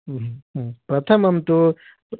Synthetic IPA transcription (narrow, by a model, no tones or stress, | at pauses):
ɦpɾɐt̪ʰɐmɐmt̪o